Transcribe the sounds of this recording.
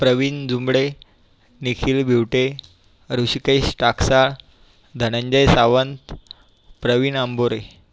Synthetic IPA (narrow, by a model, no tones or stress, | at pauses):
pɾəʋiːnd͡zumbɭe | nikʰiːlbʱiwʈe | ɾuɕikəjɕʈaksaɭ | d̪ʱənə̃ɲd͡ʑəjsaʋənt̪ | pɾəʋiːnəmboɾe